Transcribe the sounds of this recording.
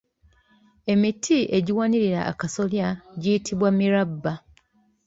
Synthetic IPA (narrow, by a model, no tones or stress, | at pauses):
e̞mitʰiʔe̞ɟiwaniɾiɾa̰ʔːkaso̞ljaɟiːtʰiβwamiɾabːa